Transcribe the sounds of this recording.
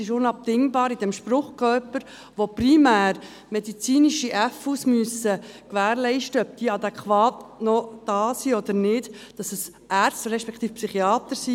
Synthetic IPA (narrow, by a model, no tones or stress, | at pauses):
ɪʃʊnɑp̚t̪ɪŋbɑːɾid̥ɛmʃpɾʊχkœpəɾ | ʋoprimæːɾ | mɛdit͡siːniʃiʔæfusmyəsːəkʋæːɾlɛɪʃtəœb̚d̥iːəɑd̪ɛkχʋɑːtnɔd̥ɑːsiɔd̪əɾnɪdd̥ɑsəs | ʔæːɾstɾɛʃpɛkʰt̪iːfpsyχiɑːt̪əɾsi